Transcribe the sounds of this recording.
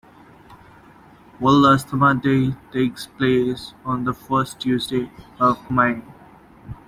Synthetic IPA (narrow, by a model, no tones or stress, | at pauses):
wɔləstəmədeːteːkspleːsɔ̃nd̪əfəːsʈjuːzdeɔvmaɪ